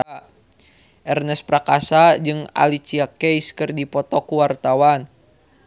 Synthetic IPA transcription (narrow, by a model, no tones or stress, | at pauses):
ʔɛrnɛspɾakasad͡ʒɨŋa̰lit͡ʃiakɛjskɨrdipɔt̪ɔkuwart̪awan